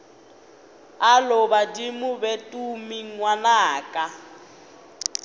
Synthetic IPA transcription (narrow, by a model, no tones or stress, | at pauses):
alɔβadimubɛtumiŋwanaːka